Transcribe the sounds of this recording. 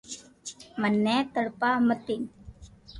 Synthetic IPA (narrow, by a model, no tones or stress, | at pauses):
mənːɛːt̪əɽpaːmət̪in